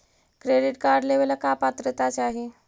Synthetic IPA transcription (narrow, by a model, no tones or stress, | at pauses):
kɾeɖiʈkaɾɖleʋelakapat̪ɾət̪at͡seaɦe